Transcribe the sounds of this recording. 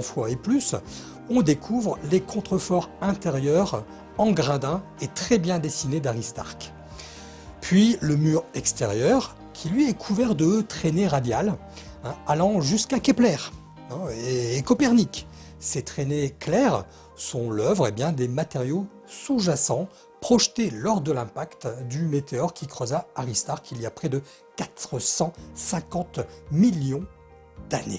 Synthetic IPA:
fwaeplys | ɔ̃d̪ekʰuvʁlekʰɔ̃t̪χəfɔʁɛ̃t̪eʁjœʁ | ɑ̃ɡʁãd̪ɛ̃ | et̪χɛbjɛ̃d̪esined̪aʁist̪a̰ʁk | pɥiləmyʁɛkst̪eʁjœʁ | kʲʰilɥiɛkʰuvɛʁd̪ət̪χeneʁad̪jal | ɛ̃alɑ̃ʒyskakʲɛplɛːʁ | ɛ̃eːkɔpɛʁnik | set̪χeneklɛʁ | sɔ̃lœvʁebjɛ̃d̪emat̪eʁjo | suʒasɑ̃ | pχɔʃt̪elɔʁd̪əlɛ̃pakt̪d̪ymet̪eɔʁkʲʰikχɔzaaʁist̪aʁkʰilijapχɛd̪ə | kat̪χəsɑ̃sɛ̃kɑ̃t̪miljɔ̃ | d̪̥anḛ

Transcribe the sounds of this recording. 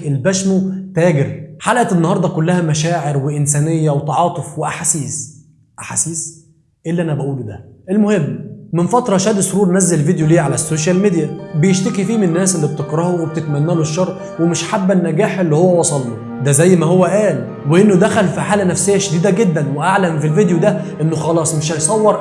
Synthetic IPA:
elbæʃmot̪æːɡeɾħalʔæt̪enːɑhɑɾˤd̪ˤɑkolːæhæmæʃæːʕeɾweʔɪnsæːnejːæwet̪ɑʕɑːt̪ˤofweʔaħasiːs | ʔaħasiːs | ʔelːiʔænæbæʔuːld̪æʔelmohemːmenfɑt̪ɾˤɑʃæːd̪sˤoɾuːɾˤnæzːælelvid̪ejoliːʕalæsːoːʃælmed̪ijæbejeʃt̪ekifiːmennːæːsʔelːibet̪ekɾˤɑhoweb̚et̪et̪mænːæloʃːɑɾˤʔ | wemɪʃħabːænːæɡæːħʔelːihowːæwɑsˤɑlːu | d̪æzæjːmæhowːæʔæːl | weʔenːod̪æxælfiħaːlænæfsejːæʃd̪iːd̪æɡed̪ːænweʔaʕlæmfilvid̪jod̪æʔenːoxɑlɑːsˤmeʃ̬hæjsˤɑwːɑɾˤ

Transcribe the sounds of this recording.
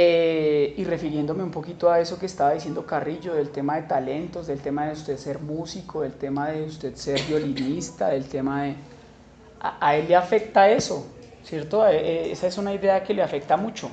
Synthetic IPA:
eire̞fiɾje̞nd̪o̞me̞umpo̞kit̪oae̞so̞keːst̪aβaðis̬je̞nd̪okariʝo̞ðe̞lt̪e̞maðe̞t̪ale̞nt̪o̞zd̪e̞lt̪emaðeust̪e̞ðse̞ɾmusikoðe̞lt̪e̞maðe̞ust̪e̞ðse̞ɾbjo̞linist̪aðe̞lt̪e̞maðe̞ | a̰ʔae̞lːeafe̞k̚t̪ae̞so | sje̞ɾt̪o̞eʔeesaesunaiðe̞ake̞leafe̞k̚t̪amut͡ʃo̞

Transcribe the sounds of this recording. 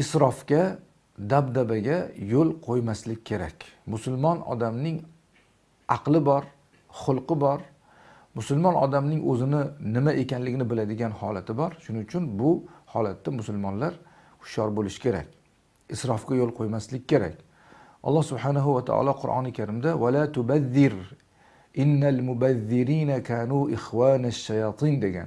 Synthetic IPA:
ɪsɾɒfkʲa | d̪abd̪abaɡʲajolˠqʰojmaslɪkʲːkʰʲːe̞ɾa̰kʲmʊsʊlˠmɒnɒ̰d̪amnɪŋ | ɑqlˠɪbɒɾ | χʊlˠqʰɨbɒɾ | mʊsʊlmɒnɒ̰d̪amnɪŋɵzɪnɪnɪmaʔe̞kʲanlɪɡʲɪnɪbɪlad̪ɪɡʲanhɒlat̪ʰɪbɒɾʃʊnɪʊt͡ʃʰʊnbʊhɒ̰lat̪ːamʊsʊlmɒnlaɾ | ʊ̥ʃɒɾbolɪʃɪ̥kʰʲe̞ɾa̰kʲ | ɪsɾɒfɡʲajolˠqʰojmaslɪkʲːkʰʲːe̞ɾa̰kʲ | ʔɒ̰lˠːɑhsʊbħanaɦʊwat̪ʰa̰ɒ̰lˠɒqʰʊɾʔɒ̰nɪkʲʰaɾɪmd̪awalaːt̪ʊbaðːɪɾ | ʔɪnːalmʊbaðːɪɾiːnakʰaːnuɪxwaːnaʃːajɑt̪ʰɨnd̪e̞ɡʲa̰n

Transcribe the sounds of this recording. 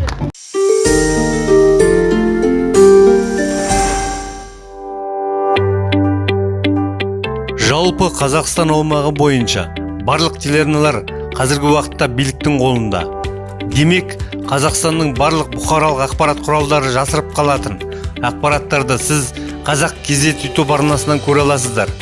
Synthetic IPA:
ʒɑlˠpəqʰɑzɑqst̪ɑnuwmɑʁəbo̞jənʃɑ̰ | bɑɾlˠəqt̪ʰeleɾnalˠɑɾ | qʰɑzɪɾɡʲɪwɑqə̥t̪ːɑbijlɪk̚t̪ɪŋqʰo̞lˠənd̪ɑ̰ | d̪e̞me̞k | qʰɑzɑqst̪ɑnːəɴbɑɾlˠəq̚bʊχɑɾɑlˠəqɑqpɑɾɑt̪qʰʊɾɑlˠd̪ɑɾəʒɑsəɾəp̚qʰɑlˠɑt̪ən | ɑq̚pɑɾɑt̪ːɑɾd̪əsɪz | qʰɑzɑq̚kʲʰe̞zd̪e̞t̪et̪upɑɾnɑsənɑŋkʲʰɵɾɑlˠɑs̬əzd̪ɑɾ

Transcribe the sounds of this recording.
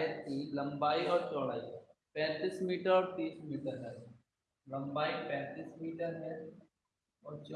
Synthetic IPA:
jət̪ːilɐ̃mbaːiɔːɾt͡ʃɔːɽaːiɦɛpɛ̃ːt̪iːsmiːʈəɾɔːɾt̪iːsmiːʈəɾɦaːi | lɐ̃mbaːipɛ̃ːt̪iːsmiːʈəɾɦɛ̃ | ɔːɾt͡ʃ

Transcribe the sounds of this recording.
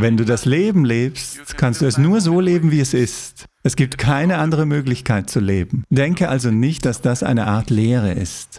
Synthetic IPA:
vɛnduːdasleːbm̩leːpstkʰanstd̥uːɛsnuːɐzoːleːbm̩viːɛsɪst | ʔɛsɡ̥iːp̚tkʰaɪnəʔandəʁ̞əmøːklɪçkʰaɪt̚t͡sulḛːbm̩d̥ɛŋkəʔalzonɪçt̚d̥asd̥asʔa̰ɪnəʔaɐtleːʁ̞ə̰ʔɪ̰st

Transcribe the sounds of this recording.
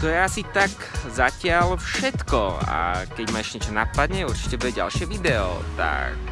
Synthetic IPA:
t̪ɔjɛasit̪ak | zacɪalfʃɛt̪kɔa̰kɛɟmaːɛʒɲɛt͡ʃɔna̰pad̪ɲɛuɾt͡ʃi̥cɛbuɛɟa̰lʃɪɛʋid̪ɛɔ̰t̪a̰k̚

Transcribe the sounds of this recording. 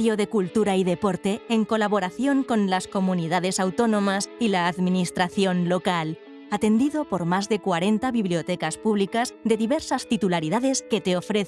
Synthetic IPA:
oðe̞kult̪uɾaiðe̞poɾt̪eːŋko̞laβ̞o̞ɾaθjo̞ŋko̞nlasko̞mũniðaðe̞sawt̪o̞nõ̞masilaːðminist̪ɾaθjo̞nlo̞kal | at̪e̞nd̪iðo̞po̞ɾmazðe̞kwaɾe̞nt̪aβiβliot̪ekaspuβlikazd̪e̞ðiβeɾsast̪it̪ulaɾiðaðe̞ske̞t̪e̞ofɾeθ

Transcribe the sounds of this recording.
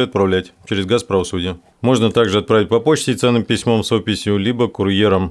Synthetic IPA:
ɨɐt̪̚pɾɐvlʲætʲt͡ɕɪɾʲɪzɡaspɾəvɐsudʲɪjə | mo̞ʐnət̪aɡʐɨɐt̪̚pɾavʲɪtʲpɐpo̞t͡ɕtʲɪt̪sɛnːɨmpʲɪsʲmo̞msopʲːɪsʲjʊlʲibəkʊrjeɾəm

